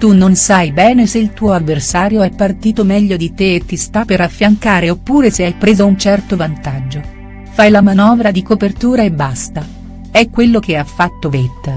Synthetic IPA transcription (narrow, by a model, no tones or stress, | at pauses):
t̪unːonsajbɛːneseilt̪uːoavːersaːɾjoɛpːart̪iːt̪omɛʎːod̪it̪eet̪ːist̪apːeɾafːjaŋkaːɾeopːuːɾeseajpɾeːzaunt͡ʃɛrt̪ovant̪ad͡ʒːo | fajlamanɔːvɾad̪ikopert̪uːɾaebːast̪a | ɛkːwelːok̟eafːat̪ːovet̪ː